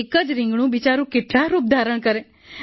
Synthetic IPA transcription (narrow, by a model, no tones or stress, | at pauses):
ekəd͡ʒɾɪ̃ŋɡɳ̃ũbit͡ʃaɾũkeʈlaɾuːp̚d̪ʱaɾəɳkəɾe